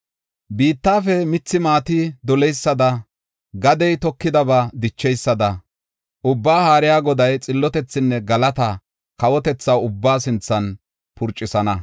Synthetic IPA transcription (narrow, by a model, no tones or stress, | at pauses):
biːt̪ːaːfɛmɪt͡sːɪmaːt̪ɪd̪ɔlɛjsːɐd̪ɐ | ɡɐd̪ɛjt̪ɔkːɪd̪ɐbad̪ɪt͡ʃːɛjsːɐd̪ɐ | ʔʊbːaːhaːɾɪjaːɡɔd̪ɐjt͡sʼɪlːɔt̪ɛt͡sːɪnːɛɡɐlɐt̪ɐ | kɐwɔt̪ɛt͡sːɐwʊbːaːsɪnt͡sːɐn | pʰʊɾt͡ʃʼːɪsɐnɐ